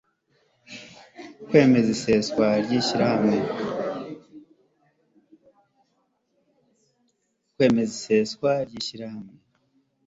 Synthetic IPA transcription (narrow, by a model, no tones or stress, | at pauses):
kwe̞ːme̞ziseskwaɾɟiːʃiɾahamŋe | kwe̞ːme̞ziseskwaɾɟiːʃiɾahamŋe